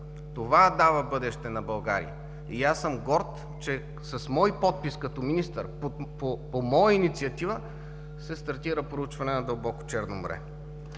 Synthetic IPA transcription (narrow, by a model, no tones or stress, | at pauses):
t̪ovad̪avəbɤd̪ɛʃt̪ɛnɐbɐlˠɡa̰ɾḭjə̰ | iasəmɡɔɾt̪ | t͡ʃɛ | sɐsmɔjpɔt̪̚piskɐt̪ɔminist̪əɾpopopomɔjəinit̪siɐt̪ivə | sɛst̪ɐɾt̪iɾəpɾout͡ʃvɐnɛnɐd̪ɐlˠbɔko̥t͡ʃɛɾnomo̰ɾɛ̰